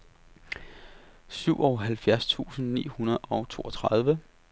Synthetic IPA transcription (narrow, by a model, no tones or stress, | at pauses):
syʊ̰ʔɒʊɦælfjæɐst͡sʰṵːsn̩nḭːhunɐð̩ˠɒ̽ʊt͡sʰo̝̰ːʔɒt͡sʰʁɑð̞ˠʋə